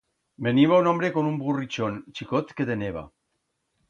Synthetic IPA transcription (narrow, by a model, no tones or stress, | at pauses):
beniβaunɔmbɾekonumburit͡ʃont͡ʃikot̪ket̪eneβ̞a̰